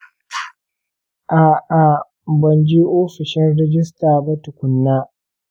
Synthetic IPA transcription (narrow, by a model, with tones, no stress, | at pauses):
ʔaː˨ʔa˨ | bɐ˨nd͡ʒi˦ʔoː˦ɸɪ˨ʃɪ˦nɽɛ˦d͡ʒɪ˦staː˨bɐ˦tʊ˨kʷʊ˨nːaː˦